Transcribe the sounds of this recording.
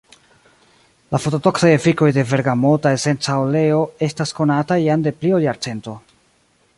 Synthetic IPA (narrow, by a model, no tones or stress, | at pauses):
lafo̞to̞do̞ksaje̞fiko̞jde̞ve̞ɾɡamo̞tae̞se̞nt͡saole̞oe̞stasko̞natajande̞pliojaɾt͡se̞nto̞